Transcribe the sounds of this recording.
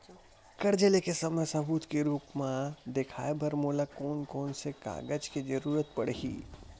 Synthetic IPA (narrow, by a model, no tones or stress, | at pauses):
kəɾd͡ʒelekesəmɛsə̃but̪keɾuːpmad̪ekʰa̰ebʱəɾmolakoːnkoːnseka̰ːɡəd͡ʒked͡ʒəɾuɾət̪̚pəɽɦḭː